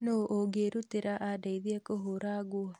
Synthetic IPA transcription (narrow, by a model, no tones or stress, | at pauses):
noːʔoɡeɾuteɾaʔadaiðiɛkoɦoɾaɡwɔ